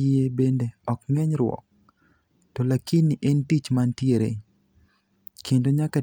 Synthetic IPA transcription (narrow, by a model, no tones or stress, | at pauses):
ebendeɔkŋɛɲɾwɔ̰k̚ | tolakiniʔentit͡ʃmantjeɾḛɲ | kendoɲaka